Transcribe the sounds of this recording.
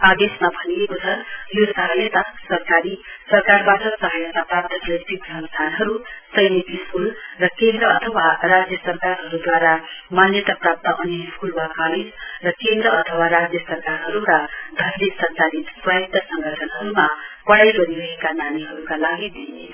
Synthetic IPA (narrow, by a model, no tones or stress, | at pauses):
ad̪esmabʱʌnekot͡sʰʌjosʌɦʌjʌt̪asʌrkaɾisʌrkarbaʈʌsʌɦʌjʌt̪aprap̚t̪ʌkrʌt̪ikbʱʌnsd̪ʱanɦʌɾusʌjnit̪iskulrʌkend̪rʌʌt̪ʰʌwarad͡zjʌsʌrkaɾɦʌɾud̪waɾamanjʌt̪aprap̚t̪ʌʔʌneɦpʰulwakaled͡zrʌkend̪ɾʌʌt̪ʰʌwaɾad͡zjʌsʌrkarɦʌɾuɾʌd̪ʱʌɾd̪esʌrkaɾiswajit̪ʌsʌŋɡʌʈʰʌnɦʌɾumapʌɽajɡʌɾiɾʌɦekananiɦʌɾukalaɡid̪ie